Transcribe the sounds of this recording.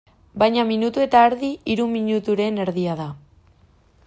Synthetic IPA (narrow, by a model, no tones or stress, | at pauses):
bajɲaminut̪ue̞t̪aːɾðiiɾumːiɲut̪uɾe̞ne̞ɾðiað̞a